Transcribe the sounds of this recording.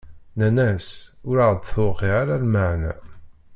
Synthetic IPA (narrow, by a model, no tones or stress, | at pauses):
nænæsʊɾaʁd̪θʊʁiʁaɾalməʕnæ̰